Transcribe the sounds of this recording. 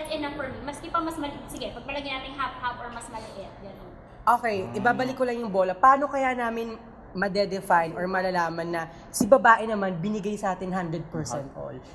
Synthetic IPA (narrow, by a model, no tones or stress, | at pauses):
d͡ʒʔɛnɐŋpɾobimɐskɪpɐmɐsmɐlsɪɡɛpɐɡ̚mɐlɐɡɪjnaːt̪ɪŋhap̚hapʔoɹmɐsmɐlɐʔɪt̪̚ɡɐnon | ʔoːkɛjʔɪbaːbɐlɪkːolɐŋjʊŋboːlɐpɐaːno̞kɐjaːnaːmɪn | mɐd̪ɛd̪ɛfajnʔɔɹmɐlɐlaːmɐnːɐ | sibɐbaːʔɪnɐmanbɪnɪɡajsɐʔaːt̪ɪŋɦand̪ɾɛd̪̚pɛɹsɛnt̪ʔo̰l